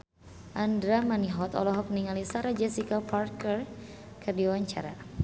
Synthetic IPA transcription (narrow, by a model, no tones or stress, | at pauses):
ʔandɾamaniɦɔt̪ɔ̰lɔɦɔk̚məniŋalisaɾad͡ʒɛsikaparkərkədiwaɲt͡ʃa̰ɾa̰